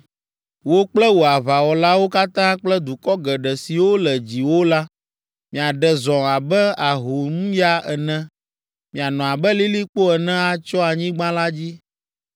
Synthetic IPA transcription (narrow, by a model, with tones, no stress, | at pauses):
wo˦k͡plɛ˦wo˨a˨βa˨wɔ˨la˦wo˦ka˦t̪ã˦k͡plɛ˦d̪u˨kɔ˦ɡɛ˨ɖɛ˨si˨wo˦lɛ˨d͡ʑi˨wo˦la˦ | mĩ˨a˨ɖɛ˨zɔ̃˨a˨bɛ˦a˨ɦo˨mũ˦ja˦ɛ˨nɛ̃˦ | mĩ˨a˨nɔ̃˨a˨bɛ˦li˦li˦k͡po˦ɛ˨nɛ̃˦a˨t͡ʃɔ˦a˨ɲĩ˦ɡ͡bã˦la˦d͡ʑi˦